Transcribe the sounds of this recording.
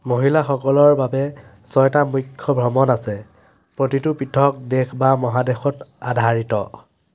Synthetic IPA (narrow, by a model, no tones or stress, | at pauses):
moɦilaxɔkɔlɔɹbabɛ | sɔjtamujkʰːɔbʱɹɔmɔnasɛ | pɹotitʊpitʰɔk̚dekʰbamɔɦadexɔtadʱaɹitɔ̰